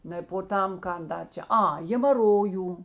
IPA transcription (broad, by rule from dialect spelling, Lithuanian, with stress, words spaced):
ˈnɐɪ poː ˈtɐm ˈkɐn ˈdɐr ˈt͡ʃʲɛ ˈɐ ɣʲeːmɐˈroːjuː